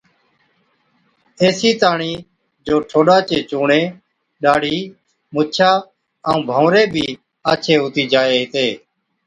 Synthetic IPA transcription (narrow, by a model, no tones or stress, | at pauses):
eːsiːt̪aːɳiː | d͡ʒoːʈʰoːɗaːt͡ʃeːt͡ʃuːɳeː | ɗaːɽ̤ʱiː | mʊt͡ʃʰaː | əũːbʱõːɾeːbʱiː | aːt͡ʃʰeːɦʊt̪iːd͡ʒaːeːɦɪt̪eː